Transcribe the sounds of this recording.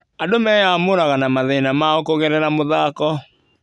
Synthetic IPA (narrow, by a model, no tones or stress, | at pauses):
adomɛjamoɾaɣanamaðɛnamaokoɣɛɾɛɾamoðakɔ